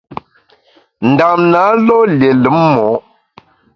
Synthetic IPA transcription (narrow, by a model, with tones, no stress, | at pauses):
n˨da˨mna˨˦lɔ˦lje˨lə˨˦mmɔ˨˦